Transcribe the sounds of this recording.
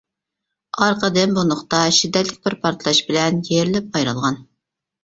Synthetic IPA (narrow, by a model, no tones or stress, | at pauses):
ɑɾqʰəd̪ɨnbunʊχt̪ɑʃid̪ːɛt̪lɪk̚ʲbɪɾpʰɑɾt̪ʰlˠɑʃbɪlɛnjeɾlɪp̚ɑjɾɑlˠʁɑn